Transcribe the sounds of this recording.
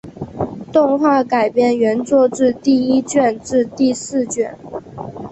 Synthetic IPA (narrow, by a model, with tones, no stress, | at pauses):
t̪ʊ˥˧ŋxwa˥˩ka˨˩ɪpjɛ˥˩nɥɛ˧˥nt͡swɔ˥˧ʈ͡ʂɻ̩˥˧t̪i˥˩˧i˥t͡ɕɥɛ˥˧nʈ͡ʂɻ̩˥˧t̪i˥˧sɹ̩˥˧t͡ɕɥɛ˥˩n